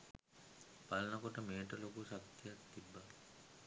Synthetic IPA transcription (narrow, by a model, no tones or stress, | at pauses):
pɐlnɐkɔʈɐmeːʈɐlɐkuʃɐkt̪jɐɐkt̪ibːa